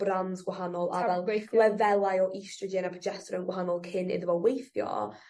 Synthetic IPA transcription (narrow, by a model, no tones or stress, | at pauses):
b̥ranzɡwaɦanɔlˠadalˠlɛvɛlˠajɔʔistrəd͡ʒɛnapʰɔd͡ʒɛstɾənɡwaɦanɔlˠkʰɪnɪ̰ðəvɔwejθjɔ̰